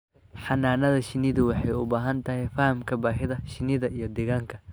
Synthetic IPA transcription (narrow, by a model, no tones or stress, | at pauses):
ħɑnaːnɐðɐʃɪnɪðʊwɑħɑjʊbaːɦɐnt̪ʰɐɦɛjfɐhɐmkʰɐbaːɦɪðɐʃɪnɪðɐʔijɞd̪ɛɣaːŋkʰɐ